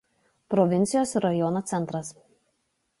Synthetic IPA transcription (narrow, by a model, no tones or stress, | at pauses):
pɾɔʋʲɪnʲt̪sʲɪjoːsɾɐjɔnoːt̪sʲɛnt̪ɾɐs